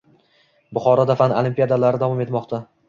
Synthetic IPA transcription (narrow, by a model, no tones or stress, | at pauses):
bʊχɒɾɒd̪afanɪolimpijad̪alaɾɪd̪avɒme̞t̪mɒqt̪ʰa